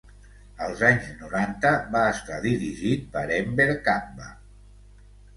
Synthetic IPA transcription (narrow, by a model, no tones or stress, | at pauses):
əlˠzaɲznuɾant̪əβaːst̪aðiɾiʒit̪̚pəɾɛmbeɾkambə